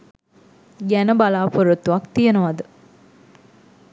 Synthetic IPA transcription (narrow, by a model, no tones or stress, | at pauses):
ɡænəbalaːpoɾut̪ːuʋakt̪ijenəʋad̪ə